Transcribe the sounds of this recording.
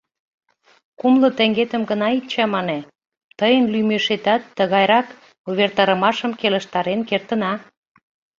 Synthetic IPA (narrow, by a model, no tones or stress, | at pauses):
kumlə̆t̪ĕŋɡet̪ə̆mɡənɑit͡ɕɑmɑne | t̪əjənlymeʃet̪ɑt̪ːəɣɑjɾɑk | uβert̪ɑɾə̆mɑʃəmkelə̆ʃt̪ɑɾenkert̪ə̆nɑ